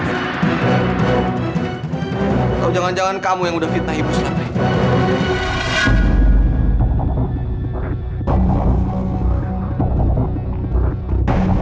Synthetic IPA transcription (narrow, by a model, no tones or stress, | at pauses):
t̪awd͡ʒaŋand͡ʒaŋankamujaŋudahfit̪̚naɦibusa